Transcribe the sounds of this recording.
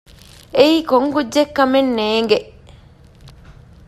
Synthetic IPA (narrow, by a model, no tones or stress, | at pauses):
eiːkoŋkudːekːɐmenːeːŋɡeʔ